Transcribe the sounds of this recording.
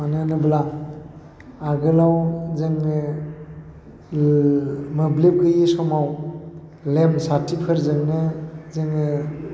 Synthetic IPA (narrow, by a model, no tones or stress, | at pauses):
manɯnɯbla | aɡɯlawzɯŋɯ | mɯblip̚ɡɯjisɔmaw | lemsatʰipʰɯɾzɯŋnɯzɯŋɯ